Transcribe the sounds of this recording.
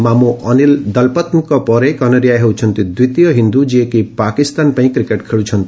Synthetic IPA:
mamuʔɔnild̪ɔlpɔt̪nkɔpɔɾekɔnɔɾijaɦewt͡ʃʰɔnt̪id̪wit̪ijɔɦind̪ud͡ʒiekipakist̪anpaĩkɾikeʈkʰeɭut͡ʃʰɔnt̪i̥

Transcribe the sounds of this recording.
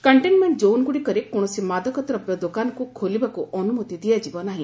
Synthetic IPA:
kɐɳʈenmeɳʈ̚d͡ʒownɡuɽikɔɾekoɽ̃ɔsimad̪ɔkɔt̪ɾɔpjɔd̪okankukʰolibakuʔɔnumɔt̪id̪ijad͡ʒibɔnaɦĩ

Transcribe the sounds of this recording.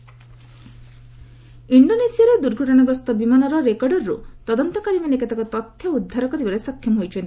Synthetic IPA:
iɳɖonesiaɾed̪uɾɡʱɔʈɔɽ̃abɾɔst̪ɔbimanɔɾɔɾekɔɾɖɔɾːṵt̪ɔd̪ɔnt̪ɔkaɾimanekat̪akɔt̪ɔt̪ʰjɔud̪ʱːaɾɔkɔɾibaɾesɔkʰjɔmɔɦojt͡ʃʰɔnt̪i̥

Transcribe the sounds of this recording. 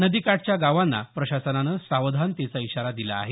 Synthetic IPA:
nəd̪ikaʈ̚t͡ɕjaɡaʋanːa̰pɾəɕasənanəsaʋd̪ʱant̪et͡saiɕaɾad̪ilaːɦe

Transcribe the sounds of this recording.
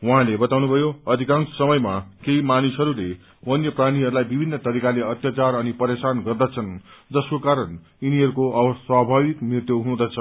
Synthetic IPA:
wuɦãlebʌt̪awnubʱʌjoʌd̪ʱikãnsʌmʌjmakeimanisʌɾule | wʌnjʌpraɽ̃iɦʌɾulajbibʱinːʌt̪ʌɾikaleʌt̪jat͡sarʌnipʌɾesanɡʌrd̪ʌt͡sʰʌnd͡zʌskokaɾʌn | iniɦʌɾukoʌbʌswabʱaβikmirt̪joɦũd̪ʌt͡sʰʌ

